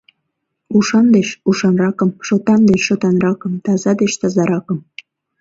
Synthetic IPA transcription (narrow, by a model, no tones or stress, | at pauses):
uʃɑnd̪eʃuʃɑnrɑkəmʃot̪ɑnd̪eʃʃot̪ɑnrɑkəmt̪ɑzɑd̪eʃt̪ɑzɑɾɑkəm